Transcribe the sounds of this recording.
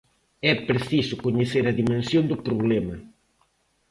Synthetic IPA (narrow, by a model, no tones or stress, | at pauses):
ɛpɾesisʊkoɲeθeɾɐðimẽnsjond̪ʊpɾoβlɛmɐ